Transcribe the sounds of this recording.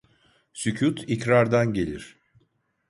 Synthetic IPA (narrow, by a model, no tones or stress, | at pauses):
sycʰut̪ʰicɾaɾd̪anɟe̞lʲiɾ̥